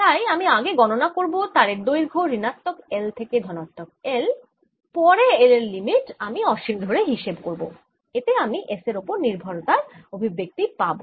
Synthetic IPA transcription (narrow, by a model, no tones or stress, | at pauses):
t̪ajamiaɡeɡɔnonakoɾbot̪aɾeɾd̪ojɾɡʱoɾinat̪ːokelt̪ʰeked̪ʱɔnat̪ːɔk̚el | pɔɾeeleɾlimiʈamiɔʃild̪ʱoɾeɦiʃebkoɾbo̰ | et̪eamiʔeseɾopoɾniɾbʱɔɾt̪aɾobʱibːek̚t̪ipabo̰